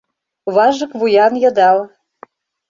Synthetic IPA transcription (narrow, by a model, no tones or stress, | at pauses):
βɑʒɤ̆kβujɑnjɤ̆d̪ɑl